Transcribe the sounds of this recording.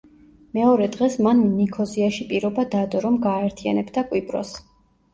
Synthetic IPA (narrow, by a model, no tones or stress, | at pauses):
mɛɔɾɛd̪ʁɛsmannikʰɔziaʃipʼiɾɔbad̪ad̪ɔɾɔmɡaːɛɾt̪ʰia̰nɛbd̪akʼwipʼɾɔ̰s